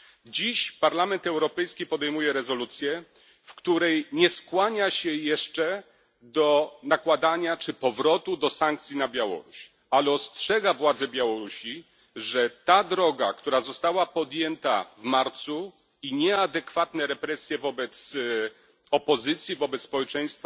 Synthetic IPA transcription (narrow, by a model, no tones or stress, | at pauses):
d͡ʑiɕpaɾlamɛnt̪ɛwɾɔpɛjskʲipɔd̪ɛjmujɛɾɛzɔlut̪sʲjɛ | fkt̪uɾɛjɲɛskwaɲaɕɛjɛʂt͡ʂɛ | d̪ɔnakwad̪aɲat͡ʂɘpɔvɾɔt̪ud̪ɔsaŋk̚t̪sʲjinabʲjawɔ̰ɾuɕ | alɛɔstʂɛɡavwad̪zɛbʲjawɔɾuɕi | ʐɛt̪ad̪ɾɔɡa̰kt̪uɾazɔst̪awapɔd̪jɛnt̪a̰vmaɾt̪su | iɲɛad̪ɛkfat̪nɛɾɛpɾɛsʲjɛvɔbɛt̪s | ɔpɔzɘt̪sʲjivɔbɛt̪spɔwɛt͡ʂɛj̃st̪fa